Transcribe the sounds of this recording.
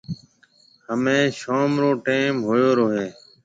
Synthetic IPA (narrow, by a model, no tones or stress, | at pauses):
həmẽːʃoːmɾoːʈeːmɦoːjoːɾoːɦeː